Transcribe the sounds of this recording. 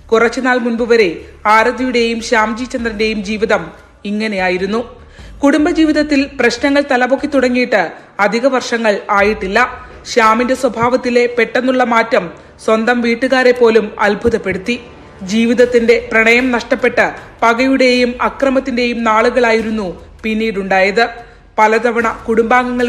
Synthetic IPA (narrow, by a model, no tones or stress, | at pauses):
kurɐt͡ɕːunaːlmunbuʋɐɾe̞ | aːɾɐd̪ʱɐjuɽe̞jumɕaːmd͡ʑiːt͡ɕːɐnd̪rɐnde̞jumd͡ʑiːʋiðɐm | iŋːɐne̞jaːjiɾunːu | kuɽumbɐd͡ʑiːʋiðɐt̪ːilprɐɕnɐŋːɐɭt̪ɐlɐbo̞kːit̪uɽɐŋːijiʈːɨ | ɐd̪ʱiɣɐʋɐrʂɐŋːɐɭaːjiʈːilːɐ | ɕaːminde̞swɐbʱaːʋɐt̪ːile̞pe̞ʈːe̞nːuɭːɐmaːtːɐm | swɐnd̪ɐmʋiːʈːɨɣaːɾe̞pːo̞ːlumɐ̰lbʱuðɐpːe̞ɽut̪ːi | d͡ʑiːʋiðɐt̪ːinde̞prɐɳɐjɐmnɐʂʈɐpːe̞ʈːɨpɐɣɐjuɽe̞jumɐkrɐmɐt̪ːinde̞jumnaːɭuɣɐɭaːjiɾunːu | pinːiːɾuɳɖaːjɐðɨ | pɐlɐd̪ɐʋɐɳɐkuɽumbaːŋɡɐŋːɐɭ